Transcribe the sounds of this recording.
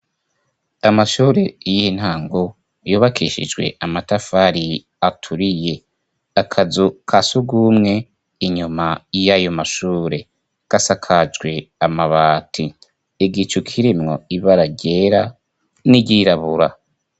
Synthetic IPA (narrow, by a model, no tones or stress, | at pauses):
amaʃuːɾe̞jin̥haːŋɡo | juːβakʰiʃḭd͡ʒɡwe̞̰ʔamatafaɾi | atʰuɾije̞ | akʰazukʰasuɡuːmŋe̞ | iɲumajajomaʃuːɾe̞ | ɡ̥asakʰad͡ʒɡwe̞amaβaːtʰi | iɡit͡ʃukʰiɾimŋo̞iβaɾaɟe̞ɾa | niɟiɾaβuɾa